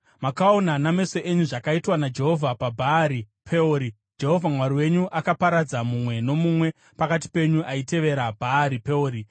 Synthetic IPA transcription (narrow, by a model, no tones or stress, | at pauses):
makao̞naname̞so̞ʔe̞ɲuʐakaitwanad͡ʒe̞ɦo̞vʱapabʱaːɾi | pʰeoɾi | d͡ʒe̞ɦo̞vʱamwaɾiwe̞ɲuʔakapaɾad͡zamumwe̞no̞mumwe̞ | pakat̬i̥pe̞ɲuʔaite̞ʋe̞ɾabʱaːɾipe̞oːɾi